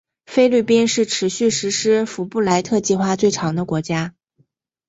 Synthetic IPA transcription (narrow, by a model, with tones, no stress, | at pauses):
fe˥ɪly˥˩pi˥nʂɻ̩˥˩ʈ͡ʂʰɻ̩˧˥ɕy˥˩ʂɻ̩˧˥ʂɻ̩˥fu˧˥pu˥˩la˧˥ɪt̪ʰɤ˥˧t͡ɕi˥˧xwa˥˧t͡swe˥˩ɪʈ͡ʂʰɑ˧˥ŋd̪ə˧kwɔ˧˥t͡ɕja˥